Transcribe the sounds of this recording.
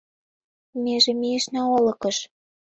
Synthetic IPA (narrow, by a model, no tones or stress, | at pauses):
meʒĕmiĕʃnɑolɤ̆kɤ̆ʃ